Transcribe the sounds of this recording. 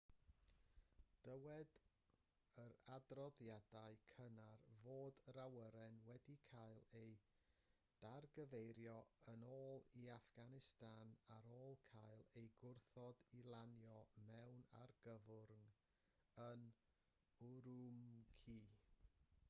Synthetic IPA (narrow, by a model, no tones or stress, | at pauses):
d̥əwɛd | əɾadrɔðjadaɨkʰənarvoːdɾawəɾɛnwɛdikʰajlˠej | d̥arɡəvejɾjɔənoːlˠiafɡ̥anɪstanaɾoːlˠkʰajlˠejɡʊrθɔdilˠanjɔmɛwna̰rɡəvʊrŋ | ən | ʊɾumkʰiː